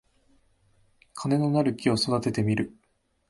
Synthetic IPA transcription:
kʰane̞no̞naɾɯ̟kʲio̞so̞d̪at̪e̞t̪e̞mʲiɾɯ̟

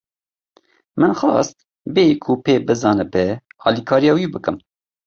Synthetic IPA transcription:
mɨnxɑ̰ːst̪̚ | beːkʰupeːbɨzɑːnɨbɛɑːlikʰɑːɾijɑːwibɨkɨm

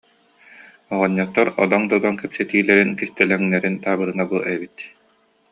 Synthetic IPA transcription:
ɔʁɔɲːɔt̪ːɔɾɔ̰d̪ɔŋd̪ɔd̪ɔnkɛpsɛt̪iːlɛɾinkist̪ɛlɛŋnɛɾint̪aːbɯɾɯnabuʔɛbit̪

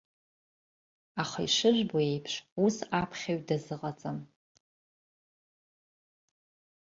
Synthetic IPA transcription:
aχaiʂɨʒʷboe̞jpʰʂusapʰχʲaɥdazɨqʼat͡sʼam

